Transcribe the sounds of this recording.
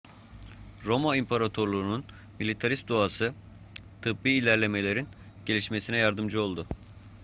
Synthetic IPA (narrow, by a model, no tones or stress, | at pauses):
ɾo̞maimpʰaɾat̪ʰo̞ɾlˠuɾunun | milʲit̪ʰaɾist̪̚d̪oasɯ | t̪ʰɯbbiːlʲæɾlʲe̞me̞lʲe̞ɾin | ɟ̥e̞lʲiʃme̞sinɛjaɾd̪ɯmd͡ʒɯo̞lˠd̪ʊ